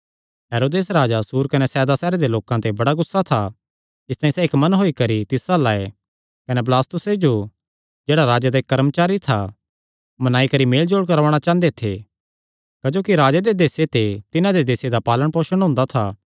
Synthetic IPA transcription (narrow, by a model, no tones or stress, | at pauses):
ɦeːɾoːd̪eːsɾaːd͡ʒasuːɾkɐnɛsɛːd̪asɛːɾed̪eloːkãt̪ebɐɽaɡʊsːat̪ʰa | ɪst̪aːĩsɛːkmɐnɦoːikɐɾit̪ɪsalaːe | kɐneb̬laːst̪ʊsed͡ʒo | d͡ʒeːɽaɾaːd͡ʒad̪aeːkːɐɾmt͡ʃaːɾit̪ʰa | mɐnaːikɐɾimeːld͡ʒoːɽkɐɾʋaːɽ̃at͡ʃãːnd̪et̪ʰe | kad͡ʒoːkiɾaːd͡ʒad̪ed̪eːset̪et̪ɪnãd̪ed̪eːsed̪apaːləɽ̃poːʃəɽ̃ɦʊ̃ːnd̪at̪ʰaː